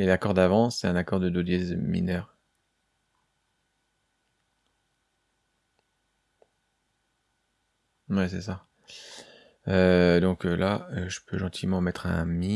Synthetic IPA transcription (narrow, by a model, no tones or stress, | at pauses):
elakɔʁd̪avɑ̃sɛt̪ɛ̃nakɔʁd̪əd̪od̪ɛzmḭnœʁ | wɛsɛsa | ød̪ɔ̃kølaøʒəpʰøʒɑ̃t̪ʰimɑ̃mɛt̪χɛ̰̃mi